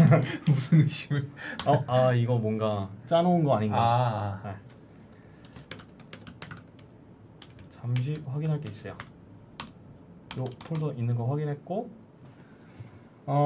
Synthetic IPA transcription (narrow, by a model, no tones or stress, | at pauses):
musʰunɯɕimʌaiɡʌmwʌnɡat͡ɕ͈anounɡʌaɲinɡane | t͡ɕamɕ̬ʰiɸwaɡinɦaɭk͈e̞is͈ʌjo | jopʰoɭsʰʌʔinːɯnɡʌɸwaɡinɦe̞t̚k͈o | a